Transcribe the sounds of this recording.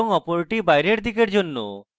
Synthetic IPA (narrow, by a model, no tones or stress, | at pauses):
ɔŋɔpoɾeʈibajɾeɽd̪ikeɾd͡ʒonːṵ